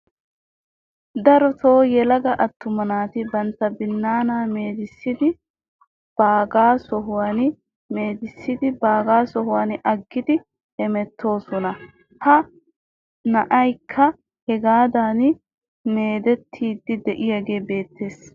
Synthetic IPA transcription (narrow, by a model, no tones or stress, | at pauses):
d̪ɐɾɔt̪o̞ːjɛlɐɡɐʔɐt̪ːʊmɐnaːt̪ɪbɐnt̪ːɐbɪnːaːnaːme̞ːd̪ɪsːɪd̪ɪ | b̥aːɡaːsɔɦʊwaːn | meːd̪ɪsːɪd̪ɪbaːɡaːsɔɦʊwaːnʔɐɡːɪd̪ɪ | hɛmɛt̪ʰːo̞ːsɔnɐ | hɐ | nɐʔɐjkʰːɐ | hɛɡaːd̪aːn | me̞ːd̪ɛt̪ʰːiːd̪ːɪd̪ɛʔɪjaɡe̞ːbe̞ːt̪ːe̞ːs